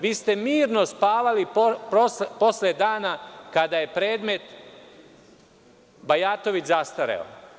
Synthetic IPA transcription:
ʋiːst̪e̞miːɾno̞spaːʋalippɾoposled̪aːnakad̪aje̞pɾe̞ːd̪me̞t̪ | bajat̪o̞ʋit͡ʃzast̪aɾḛo̰

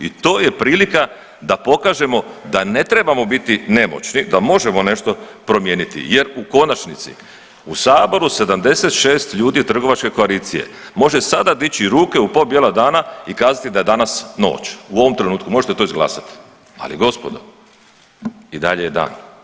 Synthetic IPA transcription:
ḭt̪o̞ːje̞pɾiːlika | d̪apo̞kaːʒe̞mo̞d̪ane̞t̪ɾe̞bamo̞bit̪ine̞mo̞̰t͡ɕnid̪amo̞ʒe̞mo̞ne̞ʃt̪o̞pɾo̞mje̞ːnit̪ḭje̞ɾuko̞nat͡ʃnit̪sḭ | usaːbo̞ɾuse̞d̪amd̪e̞se̞t̪ʃe̞ːst̪ʎuːd̪it̪r̩ɡo̞ʋat͡ʃke̞ko̞aliːt̪sije̞̰mo̞ʒe̞sad̪ad̪it͡ɕiɾuːke̞upo̞bjelad̪aːnaikaːzat̪id̪ajed̪anasno̞̰ːt͡ɕuoʋo̞mt̪ɾe̞nuːt̪̚kumoʒet̪et̪o̞izɡlˠa̰ːsat̪i̥ | a̰liɡo̞spod̪o̰ | id̪a̰ʎejed̪a̰ːn

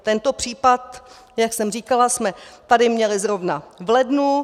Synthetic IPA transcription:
t̪ɛnt̪o̞pr̝̥iːpat̪ | jaksɛmriːkalasmɛt̪adɪmɲɛlɪzɾo̞vnavlɛdnu

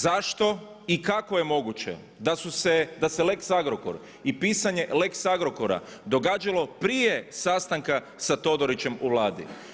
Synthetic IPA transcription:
zaʃt̪o̞ | ikako̞je̞mo̞ɡut͡ʃe̞̰ | d̪asused̪asele̞ksaɡɾoko̞̰ɾ | ipiːsaɲe̞le̞ksaɡɾo̞koɾa̰d̪o̞ɡaːd͡ʒalo̞pɾije̞sast̪aŋka | sat̪o̞d̪o̞ɾit͡ɕe̞muʋlˠaːd̪ḭ

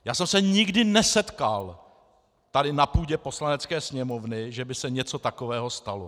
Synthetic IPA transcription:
jaːsɛmsɛɲɪɡdɪnɛsɛt̪kal | t̪adɪnapuːɟɛpo̞slanɛt͡skɛːsɲɛmo̞vnɪʒɛbɪsɛɲɛt͡so̞t̪ako̞vɛːɦo̞st̪alo

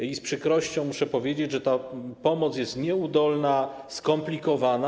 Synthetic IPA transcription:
ispʂɘkɾɔɕt͡ɕɔ̃w̃muʂɛpɔvʲjed͡ʑed͡ʑʐɛt̪apɔmɔt̪s̬ʲjɛst̪ɲɛud̪ɔlnaskɔmplʲikɔvana

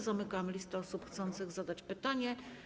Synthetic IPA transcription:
zamɘkamlʲist̪ɛɔsupxt̪sɔnt̪sɘɣzad̪at͡ɕpɘt̪aɲɛ

